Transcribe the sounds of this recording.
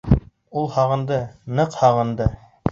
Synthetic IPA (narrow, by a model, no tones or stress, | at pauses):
ulˠhɑʁɤ̆nd̪ɤnɤqhɑʁɤ̆nd̪ɤ